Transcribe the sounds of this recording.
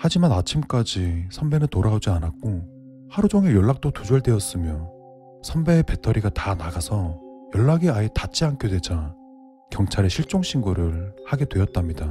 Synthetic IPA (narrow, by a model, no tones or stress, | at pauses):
had͡ʑimanat͡ɕʰimk͈ad͡ʑisʰʌmbe̞nɯntoɾaod͡ʑianak̚k͈o | haɾud͡ʑoŋejʌɭːak̚t͈otud͡ʑʌɭdwe̞ʌs͈ɯmjʌ | sʰambe̞ːpe̞tʰʌɾiɡatanaɡasʰʌ | jʌɭːaɡeaitat͡ɕ͈iank͈ʰedwe̞d͡ʑa | kjʌŋt͡ɕʰaɾe̞ɕʰiɭt͡ɕ͈oŋɕʰiŋɡuɾɯɭhaɡe̞dwe̞ʌt̚t͈amɲida